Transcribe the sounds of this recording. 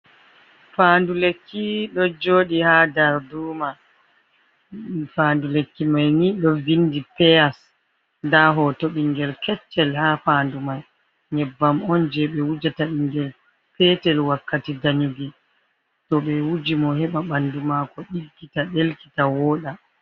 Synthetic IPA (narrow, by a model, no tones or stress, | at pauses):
fandulekːiɗɔd͡ʒoːɗihadaɾduːma | fandulekːimajniɗɔvindipɛas | daɦɔtoɓiŋɡɛlkʰɛt͡ʃːɛlhafaːndumaj | ɲɛbːamɔnd͡ʒɛɓɛwud͡ʒataɓiŋɡɛl | pʰɛtɛlwakːatidaɲuɡi | tɔɓɛwud͡ʒimɔhɛɓaɓandumakɔɗiɡːitaɗelki̥tawɔːɗa